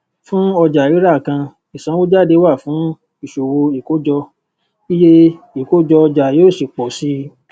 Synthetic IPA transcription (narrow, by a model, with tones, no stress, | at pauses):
fũ˦ɔ˧d͡ʒa˨jo˨˦ɾa˦˨kã˧ | i˨sã˨˦wo˦d͡ʒa˦˨de˨˦wa˦˨fũ˨˦ | i˦˨ʃo˨wo˧i˨ko˨˦d͡ʒɔ˧ | i˦je˦ | i˨ko˨˦d͡ʒɔ˧d͡ʒa˨joː˦˨si˨k͡pɔ˨si˨˦